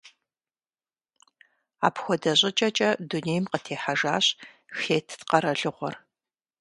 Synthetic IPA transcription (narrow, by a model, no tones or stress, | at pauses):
a̰ːpxʷɔdɐɕʼɪt͡ʃʼɐt͡ʃʼɐduneːjmqətʰeːħaʒaːɕ | xeːtʰtqɐɾɐɮɨʁʷɔ̰r